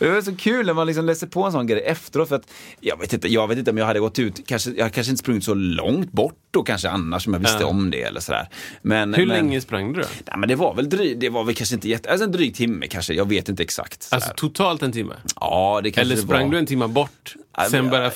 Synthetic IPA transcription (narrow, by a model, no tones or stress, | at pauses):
d̪ɛvsɔkʰʉːlnæmanlɪks̬ɔmlɛːsəɾpʰoɛnsɔnɡɾɛjɛft̪əɾoːt̪fœɾat̪jɑːɡveːt̪ɪnt̪əjɑːɡveːt̪ɪnt̪əɔmjɑɡhad̪ːəɡɔt̪ːʉ̟ːt̪kʰanʂəjɑhad̪əkʰanʂəɪnə̥spɾɵŋːɪt̪sɔlɔ̰ŋt̪̚bɔʈːd̪okʰanʂəanːaʂɔmjɑɡvsst̪əɔ̰md̪ɛ̰ɛ̰lːə̰ʂɔd̪æ̰ːɾmɛnhɵlɛŋːəspɾaŋːd̪ɵd̪ɔ̰næ̰mɛnd̪ɛvaɾvɛld̪ɾiːd̪ɛvaɾvɛlkʰanʂəɪnt̪əjɛt̪ːəalsɔɛnd̪ɾyːk̚t̪ʰɪmːə̰kʰanʂəjɑːɡveːt̪ɪnt̪əɛksa̰kt̪salæɔːɾt̪ʰʊt̪ʰɑːlt̪ɛnt̪ʰɪmːə̰ɑːd̪ɛkʰaɛlʂːəspɾaŋːd̪ɵɛnt̪ʰɪmːabɔʈːasɛnbœɾja